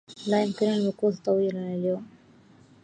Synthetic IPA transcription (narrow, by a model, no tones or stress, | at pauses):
lajɪmkɪnalwʊquːt̪t̪ˤɑwiːlanʔaljoːm